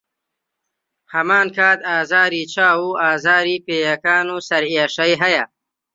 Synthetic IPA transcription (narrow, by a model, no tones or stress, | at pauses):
hamaːnkaːt̪aːzaːɾit͡ʃaːwuaːzaːɾipeːjakaːnusɐɾiaʂɐjɦaja